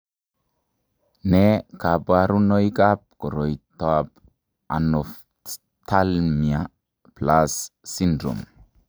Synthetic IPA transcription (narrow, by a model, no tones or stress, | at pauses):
nɛkapaɾunojkap̚kɔɾɔjt̪ap | a̰nɔf | t̪ʰalmia | plasːindɾṵm